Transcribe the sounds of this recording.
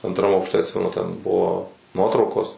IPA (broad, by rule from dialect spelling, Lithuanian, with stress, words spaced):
ɐntˈrɐm ɐʊkʃʲˈtʲɛ ɐtʲˈsʲɪmʲɛnʊ tʲɛn ˈbʊʋoː ˈnuɔtrɐʊkoːs